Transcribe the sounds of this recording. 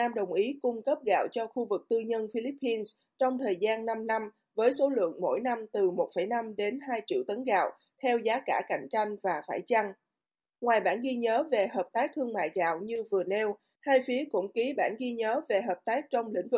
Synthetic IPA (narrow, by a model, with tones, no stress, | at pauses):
aː˧mɗə˨˩wŋ͡mʔi˨˦kʊ˧ŋ͡mkə˦˥p̚ɣa̰ː˧˨wt͡ɕɔ˧xu˧vɨ˨˩k̚t̪ɨ˧ɲə˧nfi˧li˦˥pːi˧ns | t͡ɕɔ˧wŋ͡mt̪ʰəː˨˩jzaː˧nːa˧mna˧m | vəː˨˦jso˨˦lɨ̰˧˨əŋmo̰˧˥˨jna˧mt̪ɨ˨˩mo˨˩t̚fə˧˩jna˧mɗe˨˦nɦaː˧jt͡ɕḭ˧˨wt̪ə˨˦nɣa̰ː˧˨w | t̪ʰɛ˧wzaː˨˦kaː˧˩ka̰˧˩jŋ̟t͡ɕa˧jŋ̟vaː˨˩faː˧˩jt͡ɕa˧ŋ | ŋwaː˨˩jɓa̰ː˧˩nɣi˧ɲəː˨˦ve˨˩həː˨˩p̚t̪aː˦˥k̚t̪ʰɨ˧əŋma̰ː˧˨jɣa̰ː˧˨wɲɨ˧vɨ˨˩ənɛ˧w | haː˧jfi˨˦əkʊ̰˧˥ŋ͡mki˨˦ɓaː˧˩nɣi˧ɲəː˨˦ve˨˩ɦəː˨˩p̚t̪aː˦˥k̚t͡ɕɔ˧wŋ͡mlḭ̈˧˥ŋ̟vɨ˨˩k̚